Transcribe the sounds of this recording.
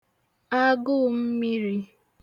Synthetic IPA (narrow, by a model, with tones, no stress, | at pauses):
a˦ɡʊ˦˨m̩˦mi˦ɾi˦